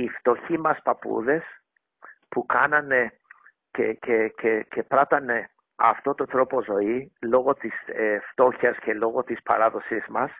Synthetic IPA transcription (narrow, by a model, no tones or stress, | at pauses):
ift̪o̞çimɐspɐpṵðe̞s | pukɐnɐne̞ | cececece̞pɾɐt̪ɐne̞ | ɐ̰ft̪o̞t̪ot̪ɾo̞po̞zo̞ilo̞ɣo̞t̪iseft̪o̞çɐsce̞lo̞ɣo̞t̪ispɐ̰ɾɐðo̞sizmɐs